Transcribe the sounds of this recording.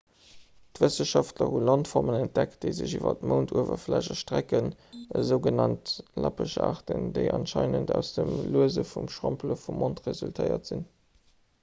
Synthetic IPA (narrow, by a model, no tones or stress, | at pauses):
tvəsəʃɑftlɐhunlɑntfɔʁmənænt̚d̥ækt̚d̥əɪzəʑivɐ̰tməʊntʰuəvɐflæʒɐʃtʁækənəzəʊɡənɑntlɑpəʃa̰ːʁtəndeɪʔɑnʃɑɪnəndæʊsd̥əmluəzəfumʃʁompləfumːontʁezyltʰəɪɐtz̥in